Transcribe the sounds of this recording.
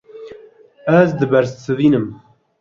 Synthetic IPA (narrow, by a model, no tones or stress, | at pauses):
ɛzd̪ɨbɛɾssɨviːnɨm